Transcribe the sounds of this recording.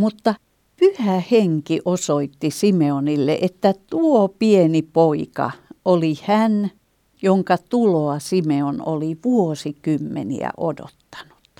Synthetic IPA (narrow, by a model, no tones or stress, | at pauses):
mut̪ːɑ | pyhæheŋkiʔosoit̪ːisimeonilːḛʔet̪ːæt̪uopienipoikɑ̰ʔolihæn | joŋkɑt̪uloɑsimeono̰liʋuosikymːḛnḭæ̰ʔodo̰t̪ːɑ̥nu̥t̪